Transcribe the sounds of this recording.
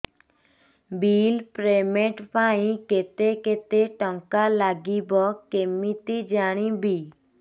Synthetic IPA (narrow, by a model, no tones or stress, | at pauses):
bilpɾemeʈpaĩket̪eket̪eʈɔŋkalaɡibɔkemit̪id͡ʒaɽ̃ĩbi